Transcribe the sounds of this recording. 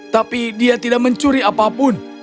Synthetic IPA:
t̪apidiat̪idaʔ̚məɲt͡ʃuɾiapapʊn

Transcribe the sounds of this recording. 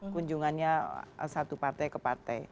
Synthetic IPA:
kuɲd͡ʒuŋanɲa̰sat̪upart̪ɛjkəpart̪ɛ̰j

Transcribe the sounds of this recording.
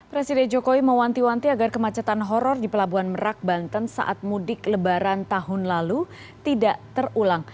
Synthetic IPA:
pɾesidɛnd͡ʒokowiməwant̪iwant̪iaɡarkəmat͡ʃat̪anɦɔɾɔrdipəlabuanməɾak̚bant̪ənsa̰ʔat̪̚mudɪkləbaɾant̪aɦʊnlalu | t̪idaʔt̪ərulaŋ

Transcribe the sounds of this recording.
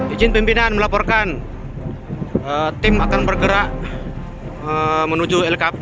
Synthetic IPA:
did͡ʒɪnpimpinanməlapɔrkan | ət̪ɪmakanbərɡəɾaʔ | əmənud͡ʒuɛlkap

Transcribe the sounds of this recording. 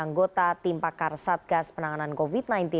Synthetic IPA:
aŋɡot̪at̪impakarsat̪̚ɡ̥aspənaŋanankofit̪̚najnt̪i

